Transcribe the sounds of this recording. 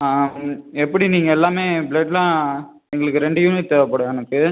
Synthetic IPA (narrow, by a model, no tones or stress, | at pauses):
ɛpːɐɽiniːŋɡɐɛlːaːmeːbɭeɖlãː | ɛŋɡɐɭɯkːɯɾɛɳɖɯjuːnɪʈ̪ːɛʋɐpːɐːɽɐɛnɐkːɯ